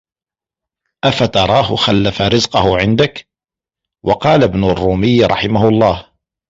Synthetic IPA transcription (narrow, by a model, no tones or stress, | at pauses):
ʔafat̪ɑɾˤɑːhʊxalːafaɾɪzqʊhʊʕɪnd̪ak | wɑqɑːlabnʊrˤːuːmɪjːɾˤɑħɪmahʊɑlˤːɑːh